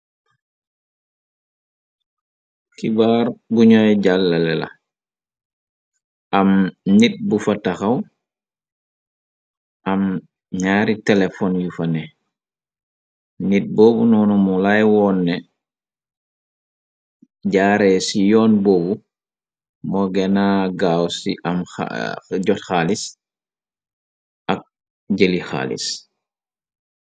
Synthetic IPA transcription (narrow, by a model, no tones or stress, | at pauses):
kibaːɾbuɲɔjɟalːalɛla̰ | ʔamnit̚bufataxaw | ʔam | ɲaːɾitɛlefɔnjufanɛ | nit̚boːbunɔːnumulajwɔːnːɛ | ɟaːɾɛsijɔːnboːbu | mɔɡɛnaɡawsiʔɐ̰m̰ɟɔtxalis | ʔɐk̚ | ɟelixa̰ːlḭs